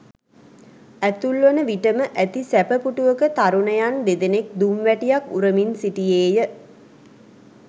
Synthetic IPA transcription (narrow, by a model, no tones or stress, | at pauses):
æt̪ulːənəʋiʈəməʔæt̪isæpəpuʈuʋəkət̪aɾunəjand̪ed̪enek̚d̪umʋæʈijakuɾəminsiʈijeːjə